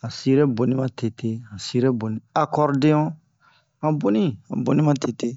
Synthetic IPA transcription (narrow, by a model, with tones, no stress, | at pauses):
a˨si˦ɾe˦bo˨nĩ˦mã˦te˨te˦ã˨si˦ɾe˦bo˨nĩ˦a˨kɔ˦ɾdẽ˦ɔ̃˦ | ã˨bo˦nĩ˦ã̰˨bo˨nĩ˦mã˦tʰe˨te˦